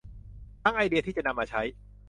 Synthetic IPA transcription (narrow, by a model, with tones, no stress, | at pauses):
t̪a˥˩ŋʔa˧jdi˧ɐt̪ʰiː˥˩t͡ɕa˨˩na˧mːaː˧t͡ɕʰa˦˥j